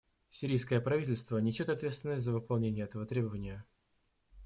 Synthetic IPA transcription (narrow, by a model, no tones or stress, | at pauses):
sʲɪɾʲijs̬kəjəpɾɐvʲitʲɪlʲst̪vənʲɪsʲot̪ɐt̪vʲet̪st̪vʲɪnəsʲtʲzəvɨpɐlˠnʲenʲɪjəɛt̪əvət̪ɾʲe̞bəvənʲɪjə